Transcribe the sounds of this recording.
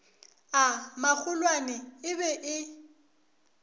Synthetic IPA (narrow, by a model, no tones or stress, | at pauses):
amak͡xʰʊlwanɛɪbɛʔɪ